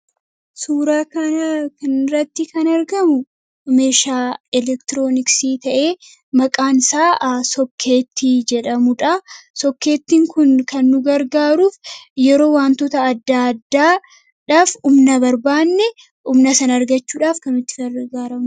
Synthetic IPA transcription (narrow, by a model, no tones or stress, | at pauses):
suːɾaːkɐkɐnɾɐt̪ːɪkɐnɐɾɡɐmʊ | me̞ːʃaːɛlɛkt̪ɪɾoːnɪksiːt̪ɐʔe̞ː | mɐkʼaːnɪsaːsɔkʰːe̞ːt̪ːid͡ʒɛᶑɐmʊᶑɐsɔkːe̞ːt̪ːiːŋkʊnkɐnːʊɡɐɾɡaːɾuːfjɛɾo̞ːwaːnt̪ot̪ɐːd̪ːad̪ːaː | ᶑaːfʊmnɐbɐɾbaːnːɛ | ʊmnɐsɐnɐɾɡɐt͡ʃːuːᶑaːfkɐnmɪt̪ːɪɡɐɾɡaːɾɐmʊ